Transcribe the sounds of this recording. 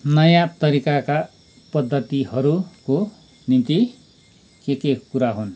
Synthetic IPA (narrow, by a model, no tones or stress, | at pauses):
nʌjãt̪ʌɾikaka | pʌd̪ʱːʌt̪ihʌɾuko | nint̪i | kekekuɾaɦun